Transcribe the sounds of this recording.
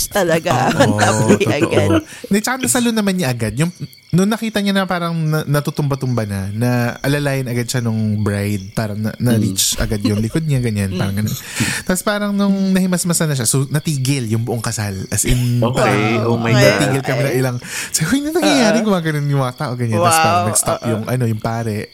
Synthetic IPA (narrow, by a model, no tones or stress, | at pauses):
t̪ɐlɐɡaoːʔtɐ̰ʔnɐt͡ʃɐkanɐsɐlonɐmanɲaʔɐɡad̪̚jʊŋ | nʊŋnɐkiːt̪ɐɲanɐpaːɾɐŋnɐnɐt̪ut̪ʊmbɐt̪ʊmbɐnɐnɐʔɐlɐlaːjɪnɐɡad̪̚ʃanʊŋbɾajd̪̚paːɾɐŋnɐ̰nɐɾit͡ʃʔɐ̰ɡad̪jʊŋlɪkod̪̚ɲaɡɐɲanpaːɾɐŋɡɐno̰nt̪apospaːɾɐŋnʊŋnɐhɪmɐsmɐsɐnɐʃ̬asonɐt̪iːɡɪljʊŋbʊʔoŋkɐsalʔɐsɪnopeoɐnɐiːɡɪlkɐmɛnɐŋʔɪlaŋsɐʊjnɐnɐŋjɐjaːɾɪɡʊmaɡɐnonjʊŋɐɐt̪aːʔo̞ɡɐɲanːɐst̪anɐɡst̪a̰pjʊŋʔɐ̰no̞jʊŋpaːɾɛ